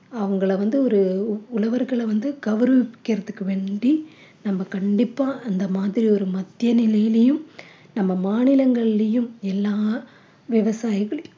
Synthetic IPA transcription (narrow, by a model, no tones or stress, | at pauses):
ɐʋɐŋɡɐɭɐʋɐnd̪ɯɔɾɯʊlɐʋɐɾɣɐɭɐʋɐnd̪ɯɡɐʋɐɾɯʋɪkːɪɾɐðɯkːɯʋeːɳɖi | nɐmːɐkɐɳɖɪpːaːʔɐnd̪ɐmaːðɪɾiɔɾɯmɐt̪ːɪjɐnɪlɐjɪlɐjɯm | nɐmːɐmaːnɪlɐŋɡɐɭɪlɐjɯmɛlːaː | ʋɪʋɐsaːjɪɣɐɭɐj